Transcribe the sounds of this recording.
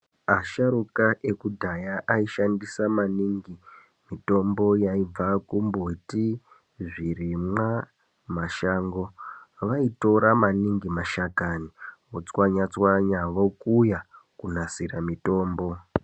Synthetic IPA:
aʃaɾukaʔe̞kudʱajaʔaiʃandisamaniːŋɡi | mito̞mbo̞jaib͡vakumbuti | ʐirimwa | maʃaːŋɡoʋaito̞ɾamaniŋɡimaʃakaniot͡swaɲat͡swaɲaʋo̞kujakun̤asiramito̞ːmbo̞

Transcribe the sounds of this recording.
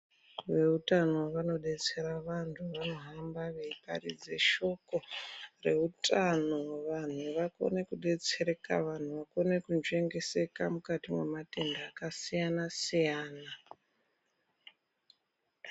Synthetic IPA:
ʋe̞utano̞ʋano̞ɗe̞t͡se̞ɾaʋantʰuʋano̞ɦambaʋe̞ipa̰rid͡ze̞ʃo̞kore̞utʰano̞ʋan̤weʋako̞̰ne̞kuɗe̞t͡se̞ɾe̞ka̰ʋan̤uʋako̞ne̞kund͡ʒe̞ŋɡe̞se̞kamukatimwḛmate̞ndaːkasijanasijaːna

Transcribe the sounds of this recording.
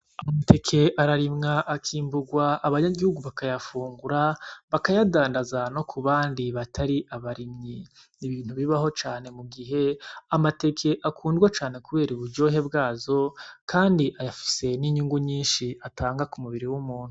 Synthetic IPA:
amate̞kʰe̞ʔaɾaɾimŋaʔakʰiːmbuɡwaːβaɲaɡihuɡuβakajafuːŋɡuɾaβakajadaːndazano̞kʰuβaːndiβatʰaɾiʔaβaɾimɲi | niβiːn̥huβiβaɦo̞t͡ʃaːne̞muɡiɦe̞amate̞kʰe̞ʔakʰuːndɡwat͡ʃaːne̞kuβe̞ːɾiβuɾɟo̞ːɦe̞bɡaːzo̞kʰaːndiʔajafi̥se̞niɲuŋɡuɲiːnʃiataːŋɡakumuβiɾiwumuːn̥hu̥

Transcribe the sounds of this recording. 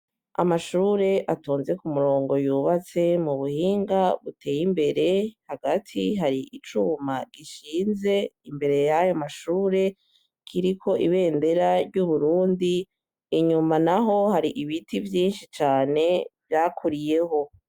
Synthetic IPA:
a̰maʃuːɾe̞ʔatoːnze̞kumuɾo̞ːŋɡo̞juːβat͡se̞muβuhiːŋɡaβutʰe̞ːjimbe̞ɾe̞haɡatʰiɦaɾiʔit͡ʃumaɡ̥iʃiːnze̞imbe̞ɾe̞jajomaʃuːɾe̞ | kʰiɾikʰo̞ʔiβe̞ːnde̞ɾaɾjɟuβuɾuːndiː | ɲumanaɦo̞haɾiʔiβitivjiːnʃit͡ʃaːne̞vjaːkʰuɾije̞ho̞

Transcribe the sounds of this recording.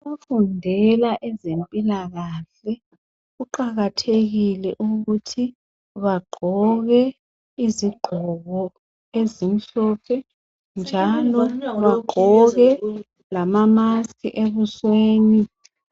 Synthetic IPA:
afundʱɛlaʔɛzempʼilaɣaɬɛ | ɣuǃaɣatʰeɣilɛʔuɣutʰi | βaɡ͡ǃʱɔɣɛ | iziɡ͡ǃʱɔɣɔ | ezim̩ɬɔpʰɛ | nd͡ʒʱalɔβaɡ͡ǃʱɔɣɛ | lamamasḭʔeβusweːni

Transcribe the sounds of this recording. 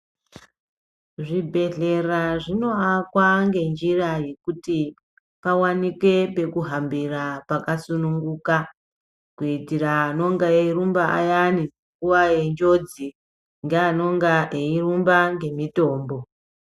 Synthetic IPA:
ʐibʱe̞ɮe̞raʐino̞akwaŋɡe̞nd͡ʒiraje̞kuti | pawanikwe̞pe̞kuɦambirapakasunuŋɡuːka | kuitiraːno̞ŋɡaeiɾumbaʔa̰jani | ŋɡuʋaje̞nd͡ʒo̞d͡zi | ŋɡeano̞ŋɡaʔeirumbaŋɡe̞mito̞ːmbo̞

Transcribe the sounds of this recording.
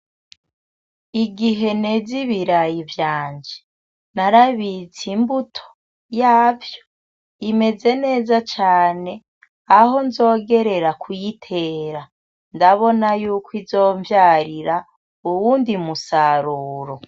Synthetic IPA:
iɡiɦe̞ne̞ziβiɾajivjaːnd͡ʒe | naɾaβit͡simbutʰo̥ | jaːvjo | ime̞ze̞ne̞ːzat͡ʃaːne̞ | aɦo̞nzo̞ːɡe̞ɾe̞ɾakʰujitʰe̞ːɾa | ndaβo̞najuːkwizo̞ːɱvjaːɾiɾa | uwuːndimusaɾuːɾo

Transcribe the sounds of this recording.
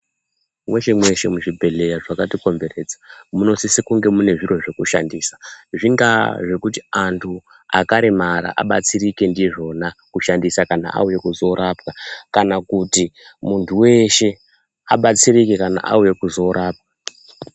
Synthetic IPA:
mwe̞ʃemwe̞ʃe̞muʐibʱe̞le̞jaʐakatiko̞ɱve̞reːd͡zḁmuno̞sisikuŋɡe̞mune̞ʐirwe̞ʐe̞kuʃa̰ndiːsḁʐiŋɡaʐe̞kutiantʰu | a̰kaɾimaɾa̰ʔa̰ɓa̰t͡sirikendiʐo̞nakuʃandisakana̰ʔa̰uje̞kuzo̞ɾʔapwakanakutimuntʰuwe̞ʃe̞ | aɓat͡sirikekana̰ʔa̰uje̞kuzo̞ɾʔaːp̚wa

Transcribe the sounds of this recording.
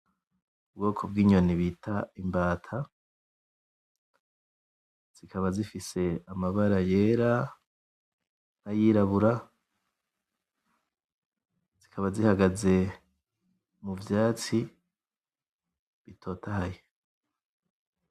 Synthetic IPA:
ubɡo̞ːkʰo̞b̚ɡiːɲo̞niβitʰaimbaːtʰa | z̥ikʰaβazifise̞amaβaɾaje̞ːɾa | ajiɾaβuɾa | z̥ikʰaβazihaɡaze̞ | muvjaːt͡si | βitʰo̞ːtʰahaje

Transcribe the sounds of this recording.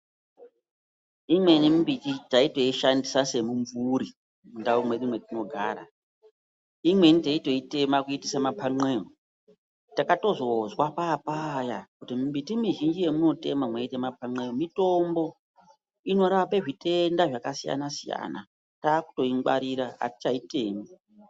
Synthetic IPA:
imwe̞nemibititaito̞iʃandisase̞muɱvuɾi | mundawomwerimwe̞tino̞ɡʱa̰ːɾa̰ | imwe̞nitaito̞ite̞makuitisamapʰamweːɦo | takato̞zo̞zwapapajakutimimbitimiʒind͡ʒije̞muno̞te̞mamweitemapʰaŋ͡ǀweomito̞mbo̞ | ino̞ɾape̞ʐite̞ndaʐakasija̰nasija̰na̰ | taːku̥to̞iŋɡa̰ɾiɾaa̰ti̥t͡ʃaiteːma

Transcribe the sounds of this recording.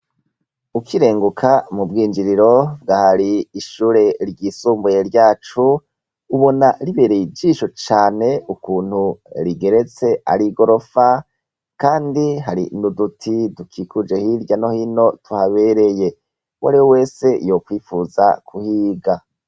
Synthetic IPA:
ukiɾe̞ːŋɡukʰamub̚ɡiːnd͡ʒiɾiɾo̞b̚ɡahaɾiiʃuːɾe̞ɾɟisuːmbujeɾɟaːt͡ʃuː | βo̞naɾiβe̞ːɾejid͡ʒiːʃot͡ʃaːne̞ukuːn̥huɾiɡe̞ɾe̞t͡se̞ʔa̰ɾiɡo̞ɾo̞fa | kaːndiɦaɾḭnudutʰidukʰikʰud͡ʒe̞hiɾɟano̞hino̞tʰuhaβe̞ːɾe̞je̞ | wa̰ɾiwowe̞ːse̞jokwiːfuza̰kʰuhiːɡa

